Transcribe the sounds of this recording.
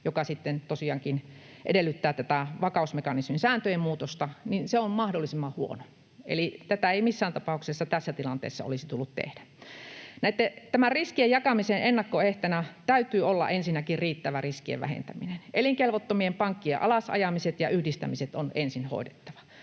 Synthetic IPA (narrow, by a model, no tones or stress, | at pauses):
jokɑsit̪ːent̪osiɑːŋkin | ʔḛdelːˑyt̪ːæːt̪æt̪æʋɑkɑˑusmekɑnisminsæːnt̪øjemmuːt̪ost̪ɑninseommɑhdolːˑisimːɑhuo̰no | ʔḛlit̪æt̪æeimisːæːnt̪ɑpɑˑuksesːɑt̪æsːæt̪ilɑnt̪ḛːsːɑ̰o̰lisit̪ulːut̪t̪ḛhd̥æ | næet̪ːet̪æmæriskiejɑkɑmisenʔenːɑkːoeht̪ænæt̪æyt̪yːolːɑ̰ʔensinːækirriːt̪ːæʋæriskiḛʋʋæ̰hḛnt̪æminenʔeliŋkelʋot̪ːomiempɑŋkːiḛʔɑlɑsɑ̰jɑmiset̪jɑyhdist̪æ̰miset̪onḛnsinho̰ˑidet̪ːɑʋɑ̥